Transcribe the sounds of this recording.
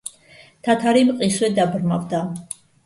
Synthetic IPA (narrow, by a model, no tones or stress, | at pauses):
t̪ʰat̪ʰaɾimqʼiswɛd̪abɾma̰vd̪a